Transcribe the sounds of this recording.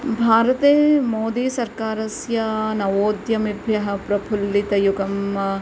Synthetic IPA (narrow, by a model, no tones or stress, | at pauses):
bʱaːɾɐt̪eːmoːd̪iːsɐɾkaːɾɐsjɐnɐʋoːd̪jɐmibʱjɐɦɐpɾɐpʰulːit̪ɐjuɡɐm